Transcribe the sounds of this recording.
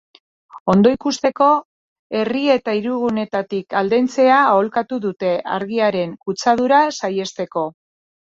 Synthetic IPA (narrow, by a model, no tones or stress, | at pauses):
o̞nd̪o̞ikust̪e̞ko̞ | e̞rie̞t̪aiɾuɣune̞t̪at̪ikald̪e̞nt͡se̞aːolkat̪uðut̪e̞ʔa̰ɾɣiaɾe̞ŋkut͡sað̞uɾasaje̞st̪e̞ko̞